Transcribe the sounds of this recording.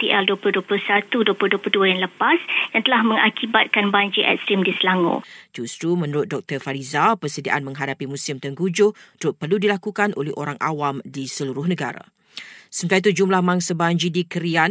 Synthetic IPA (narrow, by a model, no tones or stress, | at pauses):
t̪iʔɛlduəpʊhduəplusat̪uduəpluhduəpluduajaŋləpasdaŋt̪əlahmə̃ŋakibat̪̚kanbaɲd͡ʒiʔɛ̰t̪̚sɾimdisəlaŋõ̰d͡ʒust̪ɾumə̃nuɾʊt̪̚dɔk̚t̪ərfaɾizapərsədia̰ʔanmə̃ŋɦadapimũsɪmt̪əŋɡud͡ʒʊt̪ɾʊt̪̚pərludilakukanʔolɛhoɾaŋʔa̰wamdisəluɾʊhnə̃ɡaɾa̰ | səmət̪iait̪̬ud͡ʒumlahmãŋsabaɲd͡ʒidikəɾian